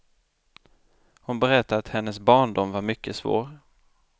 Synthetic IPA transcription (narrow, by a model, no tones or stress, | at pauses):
hʊnbɛɾɛt̪ːaɾat̪hɛnːəsbɑːɳdɔmvaɾmʏkːəsvo̰ːɾ